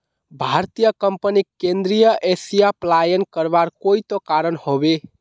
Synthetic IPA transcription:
bʱaɾt̪ijəkəmpənikend̪ɾijəʔesijaplajənkəɾbaɾkoit̪okaɾənhobe

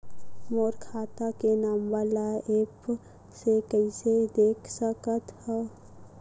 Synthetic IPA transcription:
mɔːɾkʰaːt̪akenaːmʋaːlaeːp | sekəised̪eːkʰsəkət̪ɦɛ

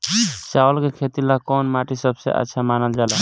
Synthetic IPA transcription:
sawəlkekʰet̪ilakɔnmaʈisəbsḛʔə̰tːʃʰamanəld͡ʒala

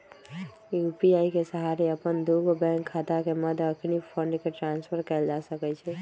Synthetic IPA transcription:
jupiaikesəɦaɾiəpənd̪uɡbɛ̃ŋkʰːat̪akeməd̪ʱəkʰnipʰəɳɖkeʈɾãnspʰəɾkəɪld͡ʒasəkɛt͡ʃʰɛ

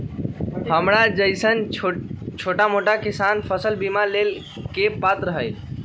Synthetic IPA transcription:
həmɾad͡ʒəɪsən | t͡ʃʰoʈamoʈakɪsanpʰəsəlbimalel | kepat̪ɾəɦəj

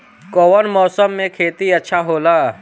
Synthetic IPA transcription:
kɔːwənmɔːsəmːẽkʰeːt̪iɐtːʃʰaɦoːlaː

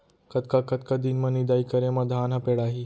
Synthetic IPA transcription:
kət̪kakət̪kad̪inmənid̪aikəɾẽməd̪ʱaːnapeɽaɦi

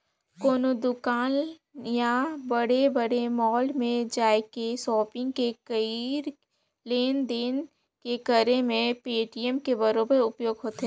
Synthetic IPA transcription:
koːnod̪ʊkaːn | jabəɽebəɽemɔːlmẽd͡ʒaːekesɔːpɪ̃ŋɡ̚kekəiɾ | leːnd̪en | kekəɾemẽpeːʈiəmkebəɾoːbəɾʊpjoːɡɦoːt̪ː

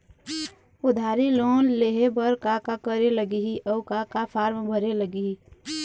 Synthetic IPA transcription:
ʊd̪ʱaɾiloːnleɦebəɾkakakəɾeləɡiɦiʔɔːkakapʰaːɾmbʱəɾeləɡii

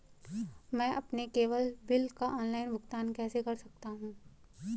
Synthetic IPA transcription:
mɛ̃ːʔɐpnekeːʋəlbɪlkaʔɔːnlaːɪnbʊkt̪aːnkɛːsekɐɾsɐk̚t̪aɦũː

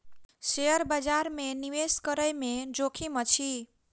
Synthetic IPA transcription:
sejəɾbəd͡ʒaɾmeniweskəɾəjmed͡ʒokʰimət͡ʃʰi

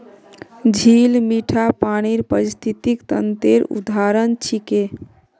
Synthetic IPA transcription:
d͡ʒʱilmiʈʰapaɽ̃iɾpəɾist̪ʰit̪ikt̪ə̰nt̪eɾṵd̪ʱaɾənt͡ʃʰike

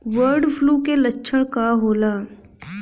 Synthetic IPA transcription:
ʋəɾɖpʰluːkelətːʃʰəɽ̃kaɦoːlaː

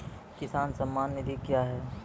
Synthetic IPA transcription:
kɪsaːnsɐmːaːnːɪd̪ikjaːɦɛː

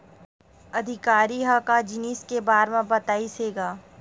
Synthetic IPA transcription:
ɐd̪ʱɪkaːɾiɦakad͡ʒɪniskebaːɾmãbɐt̪aːiseːɡaː

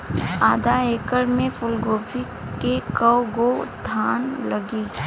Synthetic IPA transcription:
aːd̪aeːkəɽmẽfʊlɡoːbi | kekəwɡod̪ʰʱaːnlɐɡiː

